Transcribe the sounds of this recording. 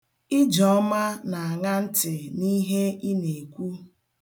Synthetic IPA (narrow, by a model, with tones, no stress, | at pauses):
ɪ˦d͡ʒɔ˨ɔ˦ma˦na˨a˨ŋa˦n̩˦tɪ˨ni˦ɦe˦i˦ne˨kʷu˦